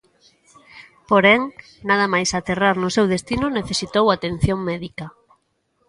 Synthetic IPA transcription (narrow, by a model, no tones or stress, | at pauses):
poɾɛŋ | naðɐmajsat̪eraɾnʊsewðest̪inʊneθesit̪owat̪en̟θjoŋmɛðikɐ